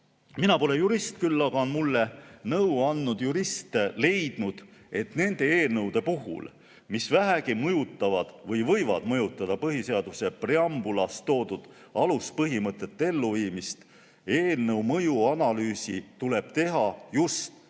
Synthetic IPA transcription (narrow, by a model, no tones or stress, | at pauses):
minɑpo̞lejuɾist̪̚kylːɑɡ̥ɑonmulːe̞nɤwɑnːud̪̥juɾist̪le̞jd̪̥nud̪̥ | e̞t̪ne̞nd̪̥e̞eːlnɤwd̪̥e̞puɦṵl | misvæɦæɡimɤjut̪ˑːɑvɑd̪̥vɤjvɤ̞jvɑ̰d̪̥mɤjut̪ːˑɑd̪̥ɑpɤɦise̞ɑd̪̥use̞pre̞ɑmbulɑst̪o̞ːd̪̥ud̪̥ | ɑluspɤɦimɤt̪ːˑe̞t̪ːe̞lːuviːmist̪ | e̞ːlnɤwmɤjuɑnɑlyːsit̪ule̞b̥̚t̪e̞ɦɑjust̪